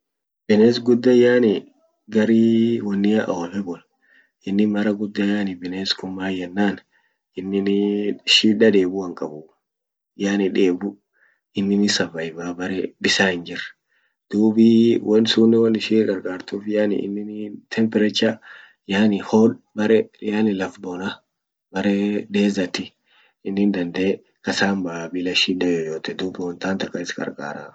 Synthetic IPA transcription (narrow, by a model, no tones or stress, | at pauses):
b̥ɛneːs̬ɡʊd̪ːɐjaːnɪ | ɡɐɾiːwɐnːɪjɐʔɐwɐfɛbɔl | ʔɪnːɪmɐɾɐɡʊd̪ːɐjaːnɪbɪneːskʊmːaːjɛnːaːn | ʔɪnːɪnʃiːᶑɐd̪e̞ːbuɐŋkʼɐbʊ | jaːnɪᶑe̞ːbʊ | ʔɪnːɪnɪsɐvɐjɪbaːbɐɾɛbɪsaːhɪnd͡ʒɪrːɐ̥ | d̪̥uːbɪwɐnsuːnːɪwɐnːɪʃiːɡɐɾkʼaːɾt̪uːfjaːnɪ̰ɪ̰nːɪnt̪ʰɛmpɛɾɛt͡ʃːa | jaːnɪhoːbɐɾɛjaːnɪlɐfbɔnɐ | bɐɾɛd̪e̞ːzɐt̪ːɪ | ɪnːɪnd̪ɐnd̪eː | kɐsaːmbaːbɪlɐʃiːᶑɐjoːjoːt̪ɛd̪uːbɪwɐnt̪aːnt̪ɐkʼːɐɪskʼɐ̰ɾkʼa̰ːɾa